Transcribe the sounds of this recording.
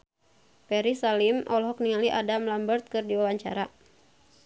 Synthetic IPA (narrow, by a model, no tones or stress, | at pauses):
pɛɾisalimʔɔlɦɔk̚niŋaliʔadamlambərt̪̚kɨrdiwawaɲt͡ʃa̰ɾa